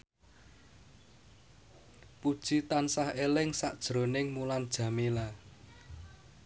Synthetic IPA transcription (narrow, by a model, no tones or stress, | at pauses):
pud̥ʒ̥it̪ansahelɪŋsaʔd̥ʒ̥ɾo̤nɪŋmuland̥ʒ̥ä̤mela